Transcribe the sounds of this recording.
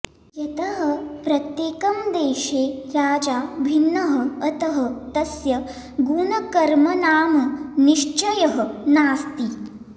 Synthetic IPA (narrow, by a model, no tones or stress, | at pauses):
jɐt̪ɐɦɐpɾɐt̪jeːkɐmd̪eːʃeːɾaːd͡ʒaːbʱinːɐɦɐɐt̪ɐɦɐt̪ɐsjɐ | ɡuːnɐkɐɾmɐnaːmɐniʃt͡ʃɐjɐɦɐ̆naːst̪i